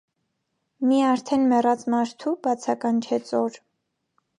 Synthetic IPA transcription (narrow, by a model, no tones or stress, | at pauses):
miɑɾt̪ʰɛnmɛrɑt͡smɑɾt̪ʰubɑt͡sʰɑkɑnt͡ʃʰɛt͡sɔɾ